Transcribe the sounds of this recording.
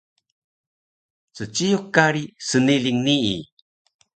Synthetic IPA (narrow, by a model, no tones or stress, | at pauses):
t͡sət͡ʃijokːaɾisəniliŋniḭ